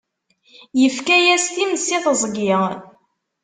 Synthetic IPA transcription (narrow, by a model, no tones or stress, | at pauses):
jəfkæjæst̪imsiθəzˤɡɪʁ